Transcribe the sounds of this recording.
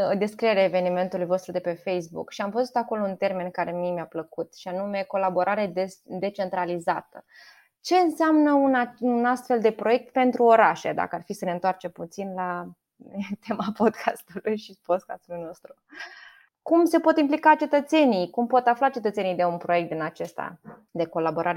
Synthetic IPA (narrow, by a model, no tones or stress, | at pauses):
d̪e̞skɾijeɾʲjaeve̞nime̞nt̪ulujvo̞st̪ɾud̪e̞pe̞fejs̬bṵkʃiamvəzut̪ako̞lo̞unt̪e̞rme̞nkaɾe̞mimeapləkut̪ʃianume̞ko̞labo̞ɾʔaɾed̪esd̪e̞t͡ʃe̞nt̪ɾalizat̪ə | t͡ʃe̞ɨnseamnəunaunast̪fe̞ld̪e̞pɾo̞je̞k̚t̪pe̞nt̪ɾuo̞ɾaʃḛd̪a̰kəarfisəne̞ɨnt̪oart͡ʃemput̪sinla | t̪e̞mapo̞d̪kʰast̪ulujʃipo̞d̪ka̰st̪ulujno̞st̪ɾu | kumse̞po̞t̪implikat͡ʃe̞t̪ət̪se̞nijkumpo̞t̪aflat͡ʃe̞t̪ət̪senijd̪e̞unpɾo̞jekt̪̚d̪inat͡ʃe̞st̪a̰ | d̪e̞ko̞labo̞ɾʔaɾe